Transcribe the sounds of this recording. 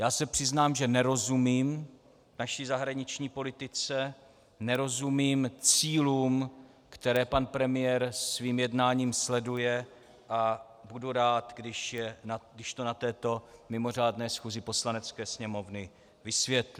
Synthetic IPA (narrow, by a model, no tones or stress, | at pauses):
jaːsɛpr̥ɪznaːmʒɛnɛɾo̞zumiːm | vnaʃiːzaɦɾaɲɪt͡ʃɲiːpo̞lɪt̪ɪt͡sɛ | nɛɾo̞zumiːmt͡siːluːm | kt̪ɛɾɛːpanpɾɛmɪjɛɾsviːmjɛdnaːɲiːmslɛdujɛ | ʔa | buduɾaːt̪ɡdɪʃjɛnaɡdɪʃt̪onat̪ɛːt̪o̞mɪmo̞r̝aːdnɛːsxuːzɪpo̞slanɛt͡skɛːsɲɛmo̞vnɪ | vɪsvjɛt̪lɪ